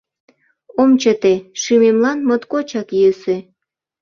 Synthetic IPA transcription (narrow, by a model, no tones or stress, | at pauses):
omt͡ɕət̪eʃymemlɑnmot̪kot͡ɕɑkjøse